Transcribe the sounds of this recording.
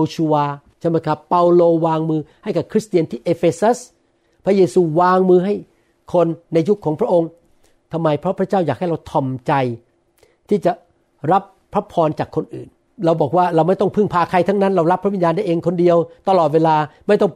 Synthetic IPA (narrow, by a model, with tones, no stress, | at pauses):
t͡ɕʰu˧aː˧ | t͡ɕʰa˥˩jma˦˥˩jkʰa˦˥pːa˧wloː˧waː˧ŋmɯː˧ha˥˩jka˨˩kʰɾi˦˥st̪i˧ənt̪ʰiː˥˩ʔeː˧feː˧sa˦˥s | pʰɾa˦˥jeː˧suː˧waː˧ŋmɯː˧ɦa˥˩j | kʰo˧nːa˧jːu˦˥kʰɔː˩˦ŋpʰɾa˦˥ʔo˧ŋ | t̪ʰa˧mːa˧jpʰɾɔ˦˥pʰɾa˦˥t͡ɕaː˥˩wjaː˨˩k̚ha˥˩jɾa˧wt̪ʰɔ˧˩mt͡ɕa˧j | t̪ʰiː˥˩t͡ɕa˨˩ | ɾa˦˥p̚ | pʰːɾa˦˥pʰɔː˧nt͡ɕaː˨˩kʰːo˧nʔɯ̰ː˨˩n | ɾa˧wbɔː˨˩k̚waː˥˩ɾa˧wma˥˩jt̪ɔ˥˩ŋpʰɯ˥˩ŋpʰaː˧kʰa˧jt̪ʰa˦˥ŋna˦˥nɾa˧wɾa˦˥pʰɾa˦˥wi˧njaː˧nda˥˩jʔeː˧ŋkʰo˧ndi˧əwt̪a˧lɔː˨˩t̪̚weː˧laː˧ma˥˩jt̪ɔ˥˩ŋ